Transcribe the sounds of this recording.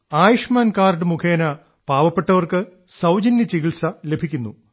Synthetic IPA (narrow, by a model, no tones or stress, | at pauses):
aːjiʂmaːnkaːrɖɨmukʰeːnɐ | paːʋɐpːe̞ʈːɐʋɐrkɨ | sɐwd͡ʑɐnjɐt͡ɕiɣiɭsɐle̞bʱikʲːunːu